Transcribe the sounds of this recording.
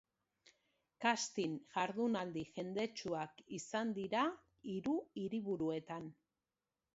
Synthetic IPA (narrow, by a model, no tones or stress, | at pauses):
kast̪inʝaɾðunald̪iʝe̞nd̪e̞t͡ʃuakisand̪iɾa | iɾuiɾiβuɾue̞t̪an